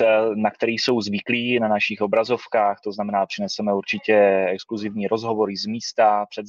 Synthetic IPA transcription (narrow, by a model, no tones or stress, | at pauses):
ɛlnak̚t̪ɛɾiːso̞wzvɪkliːnanaʃɪxo̞bɾazo̞fkaːxt̪o̞znamɛnaːpr̥ɪnɛsɛmɛuɾt͡ʃɪcɛɛkskluzɪvɲiːɾʔozɦo̞vo̞ɾɪzmiːst̪apr̥ɛd̪